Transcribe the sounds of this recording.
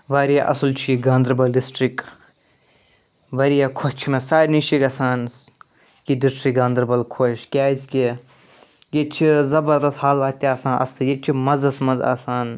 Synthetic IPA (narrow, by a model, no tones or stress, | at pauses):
ʋaːɾijaʔɐ̰sɐlt͡ʃʰiiɡãːnd̪ɾbɐlisʈɾik | ʋaːɾijakʰot͡ʃʰimesaːɾniʃikɐsaːn | kidisʈɾikɡãːnd̪ɾbɐlkʰoʃkʲaːzʲkʲe | jet͡ʃʰizɐbɐɾd̪ɐst̪haːlaːt̪jaːsãːʔɐ̰sɨjet͡ʃʰimɐzɐsmɐza̰ːsaːn